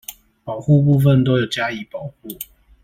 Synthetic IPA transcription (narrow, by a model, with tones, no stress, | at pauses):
pɑ˨˩ʊxu˥˧p̬u˥˧fə˥˨nt̪o˦ʊjo˨˩ʊt͡ɕja˦i˨˦pɑ˨˩ʊxu˥˨